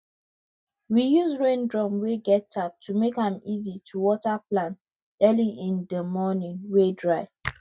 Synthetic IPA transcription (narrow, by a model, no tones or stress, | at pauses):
wijuzɹẽndɹɔ̃mweɡɛtʰap̚tʰumekãmizitʰuwɔtaplãnt | ɛlĩĩndəmɔnĩŋwedɹaɪ